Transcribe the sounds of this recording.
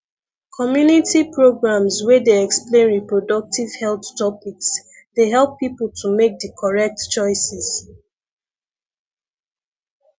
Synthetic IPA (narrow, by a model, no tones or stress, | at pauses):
kʰɔmjunitipɹoɡɹãmswɛdeɛksplẽnɹipɹodʌk̚tiv̥hɛlθtɔpiks | deɦɛlˠpːipl̩ˠtʰumek̚dəkʰɔɹɛk̚tt͡ʃɔɪsɛs